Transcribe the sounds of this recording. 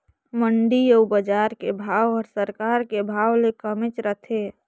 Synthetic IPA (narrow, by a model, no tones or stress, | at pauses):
məɳɖiəubəd͡ʒaɾkebʱawɔɾsəɾkaɾkebʱawlekəmet͡ʃɾət̪ʰe